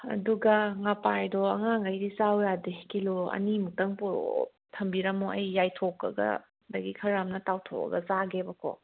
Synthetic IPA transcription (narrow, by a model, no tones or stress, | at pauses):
ɐ̰duɡɐŋapajdɔɐŋaŋɡɐjɾizawjadekiloɐ̰nimutɐŋpɔɾo̰ | tʰɐmbiɾamoɐjːajtʰokːɐ̰ɡɐ̰ | dɐɡikʰɐɾamnɐtawtʰo̰kɐ̰ɡɐzaɡebɐkʰo̰